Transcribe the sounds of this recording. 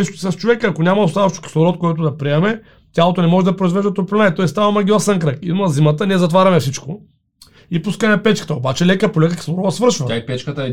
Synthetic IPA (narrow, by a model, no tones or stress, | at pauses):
ssɐst͡ʃovɛkəɐkonʲamɐost̪aðɐʃt̪ʊ̥kʲi̥slˠoɾɔt̪̚koɛt̪ʊd̪ɐpɾiɛmɛ | t̪ʲjalˠot̪onɛmɔʒɛd̪ɐpɾoʊizvɛʒd̪ɐt̪oplɛnaɛt̪ɔist̪avɐmɐɡʲilˠɐsɛnkɾəkiumɐzimət̪ənʲiɛzɐt̪vaɾʲɐmɛfsit͡ʃko | ipuskəmɛpɛt͡ʃkə̥t̪əobat͡ʃɛlɛkəpolɛkəkʲi̥slˠoɾɔɐsvəɾʃvɐaipɛt͡ʃkət̪ə